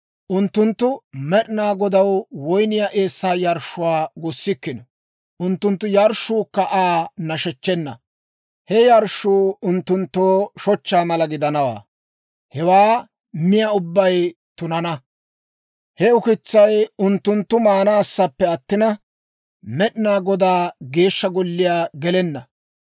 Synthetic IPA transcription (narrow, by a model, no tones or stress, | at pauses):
ʔʊnt̪ːʊnt̪ːʊmɛɗɪnaːɡɔd̪ɐwwɔjnɪjaʔeːsːaːjɐɾʃʊwaːɡʊsːɪkːɪnɔ | ʔʊnt̪ːʊnt̪ːʊjɐɾʃːuːkːɐʔaːnɐʃɛt͡ʃːɛnːɐ̰ | hɛjɐɾʃuːʊnt̪ːʊnt̪ːoːʃɔt͡ʃːaːmɐlɐɡɪd̪ɐnɐwa̰ː | hɛwaː | mɪjɐʊbːɐj | t̪ʊnɐnɐ | hɛʊkɪt͡sːɐjʊnt̪ːʊnt̪ːʊmaːnaːsːɐpːɛɐt̪ːɪnɐ | mɛɗɪnaːɡɔd̪aːɡe̞ːʃːɐɡɔlːɪjaːɡɛlɛnːɐ